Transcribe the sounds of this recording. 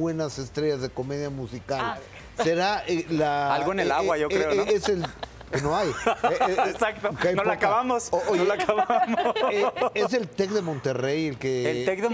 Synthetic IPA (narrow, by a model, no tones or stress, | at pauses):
we̞nase̞st̪ɾe̞ʝazðeko̞me̞ðjamusikal | se̞ɾaʔelaalɣoenelaɣwaʝoɾeoesel | kenoajeesakt̪ookejnolakaβamosoʔonolakaβamo | es̬e̞lt̪e̞kðemõ̞nt̪e̞re̞jelkeelekðe